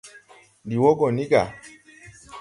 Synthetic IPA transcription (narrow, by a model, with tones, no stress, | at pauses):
di˨wɔ˦ɡɔ˨ni˦ɡa̰˨